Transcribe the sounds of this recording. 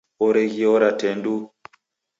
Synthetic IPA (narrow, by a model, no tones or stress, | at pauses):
ɔɾɛɣiɔɾatɛndu